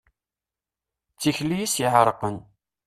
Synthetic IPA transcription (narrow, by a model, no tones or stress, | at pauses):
t͡sːiçlijisiʕəɾˤqən